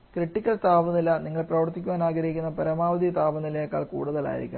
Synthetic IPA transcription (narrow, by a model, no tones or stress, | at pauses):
kriʈːikʲːɐɭt̪aːʋɐnːilɐniŋːɐɭprɐʋɐrt̪ːikʲːuʋwaːnaːɡɐɾɐikʲːunːɐpɐɾɐmaːʋɐd̪ijɐt̪aːʋɐnːilɐjakːa̰ːɭkṵːɽuðɐɭa̰ːjḭɾikʲːu